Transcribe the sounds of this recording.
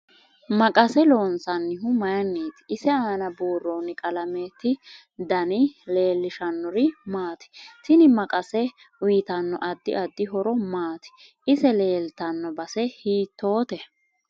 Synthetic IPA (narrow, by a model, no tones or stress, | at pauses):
mɐkʼɐsɛloːnsɐnːɪɦʊmɐjɐnːeːt̪ɪ̥ɪsɛaːnɐbuːrːoːnɪkʼɐlɐmeːt̪ːɪ | d̪ɐnɪle̞ːlːɪʃɐnːɔɾɪmaːt̪ɪ̥t̪ɪnɪmɐkʼɐsɛ | wiːt̪ɐnːɔ̰ʔɐd̪ːɪ̰ɐd̪ːɪɦɔɾɔmaːt̪ɪ̥ | ɪsɛle̞ːlt̪ɐnːɔbɐsɛhiːt̪ːo̞ːt̪ɛ